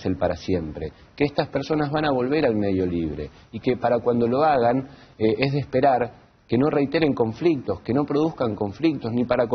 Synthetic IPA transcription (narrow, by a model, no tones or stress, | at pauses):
selpaɾasje̞mpɾe̞ | keest̪aspeɾso̞nazβanaβo̞lβe̞ɾalme̞ðjo̞liβ̞ɾe̞̰ | ike̞paɾakwand̪o̞lo̞aɣan | eʔezðespe̞ɾaɾ | ke̞no̞re̞jt̪e̞ɾe̞ŋko̞ɱflik̚t̪o̞ske̞no̞pɾo̞ð̞uskaŋko̞ɱflik̚t̪o̞znipaɾako